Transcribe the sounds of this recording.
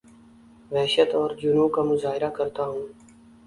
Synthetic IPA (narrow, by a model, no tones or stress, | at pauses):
ʋɛːʃət̪ɔːɾd͡ʒʊnũːkamʊzaːɦɪɾakɐɾt̪aɦũː